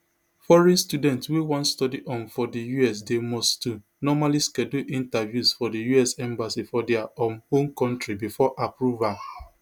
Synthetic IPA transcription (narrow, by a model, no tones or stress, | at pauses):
fɔɹɛ̃nstudɛ̃ntwewɔ̃ntstɔdiʔɔ̃nfɔdijuɛs̬demɔstu | nɔmaliskɛduʔĩntavjusfɔdijuɛsɛ̃mbasifɔdɛaɔ̃mhõmkɔ̃ntɾibifɔʔapɹuva